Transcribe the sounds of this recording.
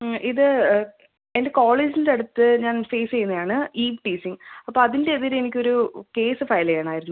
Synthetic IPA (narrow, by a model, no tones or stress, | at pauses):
ʔiðɨ | ende̞koːɭeːd͡ʑinidɐɽut̪ːɨɲaːnfe̞ːst͡ɕejunːɐðaːɳɨiːʋʈiːsiŋɐpːoɐðinde̞ːðiɾenik̬ʲːo̞ɾuke̞ːsɨfɐjlɐjaːɳaːjiɾunːu